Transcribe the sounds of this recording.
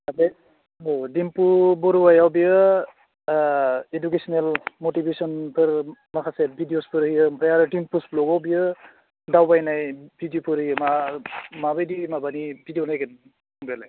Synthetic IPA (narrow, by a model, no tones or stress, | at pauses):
abe | ɔdimpubɔɾuwajawbijɯ | edukesɔnelmotibesɔnpʰɯɾmakʰasebʱidiospʰɯɾhɯjɯpʰɾajaɾɯdimpusplɔɡɔwbijɯ | dawbajnajbʱidjopʰɯɾɯjɯmamabajdiimabanibʱidijonajkɯn | ɔŋbelaj